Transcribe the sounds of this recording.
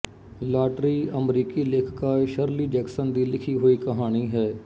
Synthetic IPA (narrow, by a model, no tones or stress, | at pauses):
laːʈɾiːəmɾiːkiːleːkʰkaːʃəɾliːd͡ʒɛːksənd̪iːlɪkʰiːɦoːiːkəɦaːñiːɦɛː